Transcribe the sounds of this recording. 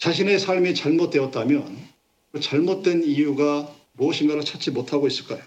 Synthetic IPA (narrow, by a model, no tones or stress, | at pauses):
t͡ɕaɕ̬ʰine̞sʰaɭmit͡ɕaɭmot̚t͈weʌt̚t͈amjʌn | t͡ɕaɭmot̚t͈we̞nijuɡa | moʌɕʰinɡaɾot͡ɕʰat͡ɕ͈imotʰaɡois͈ɯɭk͈ajo